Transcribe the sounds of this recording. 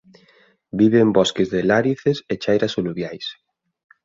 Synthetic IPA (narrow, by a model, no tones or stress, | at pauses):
biβembɔskezðelaɾiθeset͡ʃajɾasoluβjajs